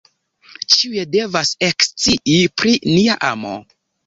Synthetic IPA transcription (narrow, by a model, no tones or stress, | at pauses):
t͡ʃiuje̞de̞vase̞kst͡siʔipɾiniaʔa̰mo̰